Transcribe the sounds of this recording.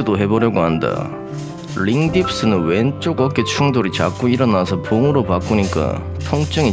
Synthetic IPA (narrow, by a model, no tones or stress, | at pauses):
doɦe̞bʌɾjʌɡoɦanda̰ | ɾiŋdip̚s͈ɯnɯnwent͡ɕ͈oɡʌk͈e̞t͡ɕʰuŋdoɾit͡ɕak͈oiɾʌnasʰʌpoŋɯɾopak͈uɲik͈a̰ | tʰʌŋt͡ɕ͈ɯŋi